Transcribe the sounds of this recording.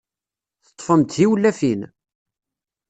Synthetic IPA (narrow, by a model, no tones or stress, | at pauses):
θə̥t̪ˤːfəmt̪θiwlːæfin